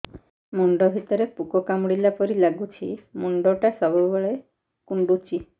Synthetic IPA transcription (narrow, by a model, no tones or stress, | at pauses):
mɔɳɖɔbʱit̪ɔɾepukɔkamɽilapɔɾilaɡut͡ʃʰimɔɳɖɔʈasɔbubeɭe | kuɳɖut͡ʃʰi